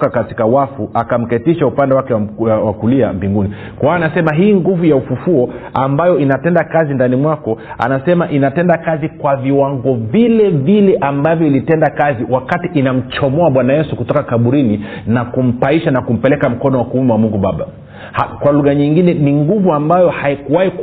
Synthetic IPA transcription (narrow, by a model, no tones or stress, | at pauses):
kakati̥kawafuʔakam̩kɛtiʃaupandɛwakɛwawakulia̰mbiŋɡuni | kwaːnasɛmaɦiːŋɡuvujaufufuɔambajɔinatɛndakazindanimwakɔa̰nasɛmaʔinatɛndakazikwaviwaŋɡɔvilɛvilɛʔambavjɔilitɛndakaziwakatiʔinam̩t͡ʃɔmɔaɓwanajɛsukutɔkakaɓuɾininakum̩paiʃanakum̩pɛlɛkam̩kɔnɔwakumɛwamuŋɡuɓaɓa̰ | hakwaluɣaɲiŋɡinɛniŋɡuvuambajɔhaikuwai